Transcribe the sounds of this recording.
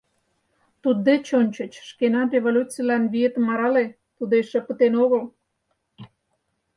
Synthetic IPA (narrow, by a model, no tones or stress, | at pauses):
t̪ud̪̚ːet͡ɕonʲt͡ɕə̆t͡ɕʃkenɑrʲeβolʲut͡sijlɑnβiet̪əmːɑɾɑle | t̪ud̪eʃə̆pə̆t̪enoɣəl